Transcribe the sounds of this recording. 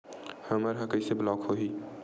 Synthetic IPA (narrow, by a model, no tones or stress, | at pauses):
həməɾɦɐkəiseblɔːkhoɦi